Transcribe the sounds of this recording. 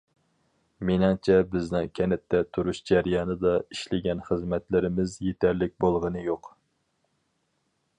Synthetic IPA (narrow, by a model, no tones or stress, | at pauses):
menɪŋt͡ʃʰɛbɪznɪŋkʲʰɛnɛt̪ʰːɛt̪ʰuɾuʃd͡ʒɛɾjɑːnɨd̪ɑiʃlɪɡʲɛnχəzmɛt̪lɪɾɪmɪzjet̪ʰæɾlɪk̚ʲbolˠʁənɨjoq